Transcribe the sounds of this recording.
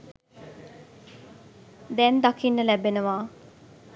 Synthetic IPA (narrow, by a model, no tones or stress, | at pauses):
d̪ɛnd̪akʰinːəlæbenəʋaː